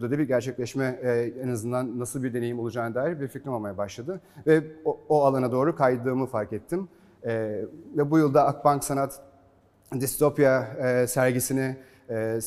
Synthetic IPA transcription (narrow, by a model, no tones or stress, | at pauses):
d̪ad̪abiɾɟæɾt͡ʃʰɛclʲɛʃmɛɛnazɯnd̪anːasɯlˠbiɾd̪e̞nejimo̞lˠud͡ʒaːnɯd̪aːjiɾbiɾfiknimalˠmajabaʃlˠad̪ɯvɛoalˠanad̪o̞ːɾukʰajd̪ɯːmɯfaɾkɛt̪ʰːimː | vɛbujulˠd̪aːk̚banksanat̪ | d̪ist̪ʰo̞pjasæɾɟisinɪ